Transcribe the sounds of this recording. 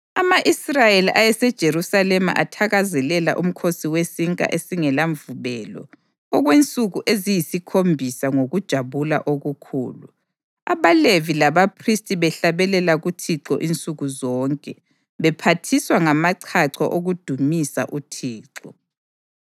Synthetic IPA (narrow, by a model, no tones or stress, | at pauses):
amaʔisrajeliʔajɛsɛd̥ʒ̥ʱeɾusalɛma̰ʔatʰaɣazɛlɛla̰ʔum̩kʰosiwesiŋkʼa̰ʔesiŋɛlaɱvuβɛlɔ̰ | ɔɣwent͡sʼuɣuʔezijisikʰombʱisaŋoɣud̥ʒ̥ʱaβula̰ʔoɣukʰṵːlṵ | aβalevilaβapʰristʼiβɛɬaβɛlɛlaɣutʰiǁɔ̰ʔint͡sʼuɣuzɔŋkʼɛ | βɛpʰatʰiswaŋamaǀʰaǀʰɔ̰ʔoɣud̥ʱumisa̰ʔutʰiːǁɔ